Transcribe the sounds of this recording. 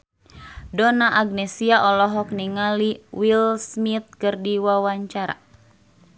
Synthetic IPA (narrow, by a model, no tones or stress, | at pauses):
dɔnaʔaɡ̚nɛsiaʔɔlɔɦɔk̚niŋaliwilsmit̪̚kɨrdiwawaɲt͡ʃaɾa̰